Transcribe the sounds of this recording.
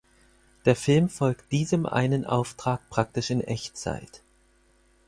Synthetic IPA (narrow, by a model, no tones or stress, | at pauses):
d̥eːɐfɪlmfɔlkt̚d̥iːzəmʔa̰ɪnənʔa̰ʊftʁ̥aːk̚pʁ̥ak̚tɪʃɪnʔɛçt͡sa̰ɪt